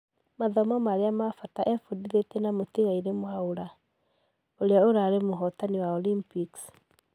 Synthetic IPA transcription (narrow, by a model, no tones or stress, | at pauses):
maðɔmɔmaɾeamafataʔɛfudiðetenamotiɣaiɾemwaoɾa | oɾeaoɾaɾemoɦɔtaniwaɔlimpiks